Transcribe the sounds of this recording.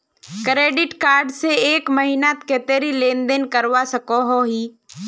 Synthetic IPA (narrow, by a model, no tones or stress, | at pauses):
kɾeːɖɪʈkaːɾɖseeːkməɦinat̪keːt̪eːɾileːnd̪enkəɾwasəkoɦoɦiː